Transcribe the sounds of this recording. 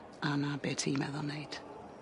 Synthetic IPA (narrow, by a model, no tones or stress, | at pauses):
anabɛtʰimɛ̰ðɔnejd̥